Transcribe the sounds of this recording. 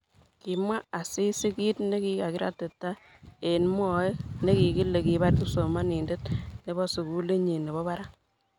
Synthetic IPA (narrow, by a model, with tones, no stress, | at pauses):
ki˨mwa˦a˨si˦si˦ki˦tne˦ki˦ka˨ki˦ɾa̰˦te˨tːa˦ | e˨nmwɔ˦e˦ne˦ki˨ki˦le˨ki˨ba˦rku˦so˨ma˦ni˨nde˦t̚ne˦bɔ˦su˨ku˦le˦ɲe˨ne˨bɔ˦ba˦ɾa˦